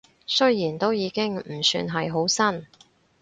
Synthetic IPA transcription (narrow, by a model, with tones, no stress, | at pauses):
sɵ˥jjiː˨˩nt̪o˥wjiː˨˧kɪ˥ŋm̩˨˩sy̰ː˧nɦɐ˨jɦo˨˥wsɐ˥n